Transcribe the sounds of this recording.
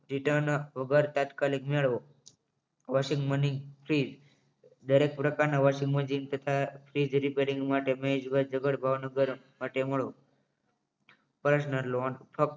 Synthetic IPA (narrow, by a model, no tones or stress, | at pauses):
ɾiʈəɾnʋəɡəɾt̪at̪kalikmeɭʋo | ʋaʃĩŋɡməniŋpʰɾid͡ʒ | d̪əɾekpɾəkaɾnaʋaʃĩŋɡməd͡ʒint̪ət̪ʰapʰɾid͡ʒɾipeɾĩŋɡmaʈemed͡ʒɡəɾd͡ʒəɡəɽbʱaʋnəɡəɾ | maʈeməɭo | pɾəʃnəlonpʰək̚